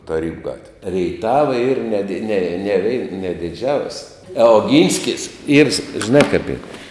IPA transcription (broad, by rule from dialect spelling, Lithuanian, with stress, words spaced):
tɐˈrʲiːbʊ ˈɡɑːtʲʋʲeː rʲɛɪˈtɑːʋɐ iːr nʲɛ dʲɪ nʲɛ nʲɛˈʋʲɛɪ nʲɛ dʲɪˈd͡ʒʲɛʊsʲ ɐ oːˈɡʲiːnʲsʲkʲɪs iːr s ˈʒʲɪnɑː kɐp iːr